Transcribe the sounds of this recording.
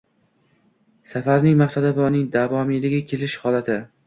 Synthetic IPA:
safaɾnɪŋmaχsad̪abɒnɪŋd̪avɒmilɪɡʲakʲʰe̞lɪʃhɒlat̪ʰɪ

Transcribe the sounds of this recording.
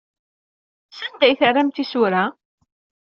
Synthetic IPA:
sænd̪æjθərːæmt̪isuɾa

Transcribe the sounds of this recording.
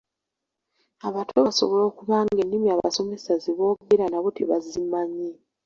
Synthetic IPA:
aβatʰoβaso̞̰βo̞lo̞ːkuβaːŋɡe̞nːimiaːβa̰so̞me̞saziβo̞ːβubeɾanaβo̞te̞̰βazimaɲːe

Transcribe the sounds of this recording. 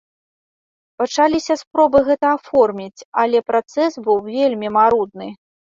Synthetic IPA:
pat͡ʂalʲisʲɐspɾɔbɨɣɛt̪ɐafɔrmʲit͡sʲalʲɛpɾat̪sɛsbɨwvʲelʲmʲimaɾud̪nɨ

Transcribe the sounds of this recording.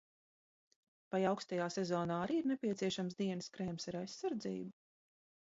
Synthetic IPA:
pajawkst̪ajaːsezɔːnaːaɾiːiɾnepʲiɛt̪siɛʃamsd̪iɛnskɾeːmsɛɾajsːaɾd̪zḭːbu

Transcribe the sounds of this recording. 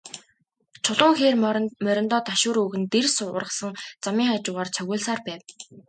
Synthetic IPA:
t͡ɕʰʊɮʊːŋxeːrmmœɾʲɪ̆nt̪ɔːt̪aʃʊːɾɵɣɘ̆nt̪ersʊʊ̰rə̆sə̆ŋt͡samiːŋχaːt͡ɕʊːʁaːrt͡sʰœɣʲʊːɮsaːrpæːw

